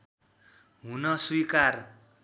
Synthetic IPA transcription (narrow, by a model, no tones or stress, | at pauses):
ɦunʌswikar